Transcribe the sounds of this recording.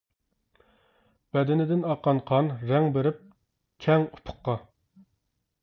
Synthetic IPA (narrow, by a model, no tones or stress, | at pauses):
b̥ɛd̪ɪnɪd̪ɪnɑqʰːɑnqʰɑnɾɛŋbeɾɪp̚ | kʲʰɛŋu̥pʰʊ̥qːɑ